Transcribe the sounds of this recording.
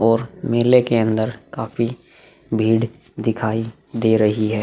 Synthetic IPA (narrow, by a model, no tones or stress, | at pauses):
ɔːɾmeːlekeɐ̃nd̪əɾkaːfi | bʱiːɽ | d̪ɪkʰaːi | d̪eːɾɐɦiɦɛː